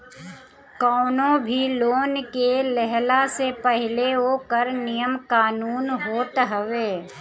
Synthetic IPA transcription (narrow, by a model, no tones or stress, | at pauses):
kɔːnõbʱiloːnkelɛɦlasepəɦɪleɦokəɾnɪjəmkaːnuːnɦoːt̪ɦəʋeː